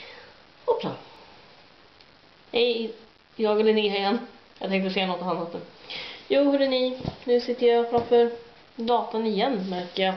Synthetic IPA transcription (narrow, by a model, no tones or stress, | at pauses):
ɔpʰɾɑ̰ː | ɛj | jɑːɡɛlːənɪhœjɛnːjɑ̰ɡt̪ɛŋkt̪əsɛjːanɔt̪ːɔhanɔt̪ːəjuːhɵɖɛnɪnʉ̟ːsɪt̪ːəjɑfɾafœɾ | d̪ɑːt̪anɪjɛnːmæɾkəjɑ